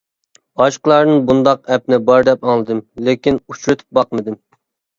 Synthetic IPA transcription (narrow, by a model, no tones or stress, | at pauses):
ɑʃqəlˠɑɾnɨnbund̪ɑqɛp̚nɪbɑɾd̪ɛpɑŋlˠɨd̪ɨmlekʲinut͡ʃɾɨt̪ʰɨ̥p̚bɑqmɨd̪ɨm